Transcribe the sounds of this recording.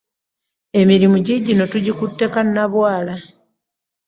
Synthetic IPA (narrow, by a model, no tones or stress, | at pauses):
e̞miɾimuɟiɟino̞tuɟikutːe̞kanːaβwaːla